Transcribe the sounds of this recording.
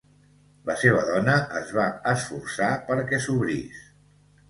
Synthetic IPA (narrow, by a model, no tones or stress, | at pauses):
ləseβ̞əðɔnəʔəzβaəsfursapəɾkɛsuβɾis